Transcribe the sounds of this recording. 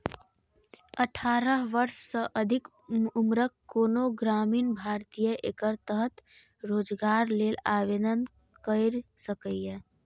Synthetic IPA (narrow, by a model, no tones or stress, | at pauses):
əʈʰaɾəɦʋəɾssəʔəd̪ʱik | umɾəkkːonoɡɾaminbʱaɾt̪ijəʔekəɾt̪əɦət̪ | ɾoːd͡ʒɡaɾlelaβenən | kəɪɾsəkəjje